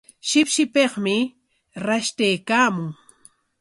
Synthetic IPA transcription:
ʃɪpʃɪpeχmɪ | ɾaʃt̪ejkaːmʊŋ

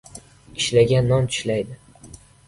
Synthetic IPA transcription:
ɪʃlaɡʲanːɒnt͡ʃ̪ʰʊ̥ʃlajd̪ɪ

